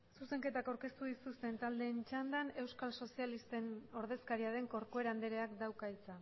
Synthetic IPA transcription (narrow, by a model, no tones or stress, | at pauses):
suse̞ŋke̞t̪akawɾke̞st̪uðisust̪e̞nt̪ald̪e̞ːnt͡ʃand̪ane̞wskalso̞sialist̪e̞no̞ɾð̞eskaɾiaðe̞ŋko̞ɾko̞eɾand̪eɾeakd̪awkait͡sa